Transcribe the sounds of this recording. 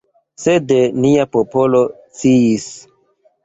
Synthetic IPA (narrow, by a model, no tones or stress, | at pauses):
sedeniapopo̞lo̞ | t͡siis